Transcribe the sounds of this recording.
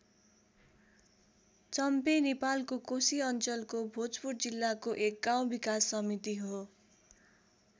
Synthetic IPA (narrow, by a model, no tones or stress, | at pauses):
t͡sʌmpenepalkokosiʌnt͡sʌlkobʱod͡zpurd͡zilːakoʔek̚ɡaw̃bikasːʌmit̪iɦo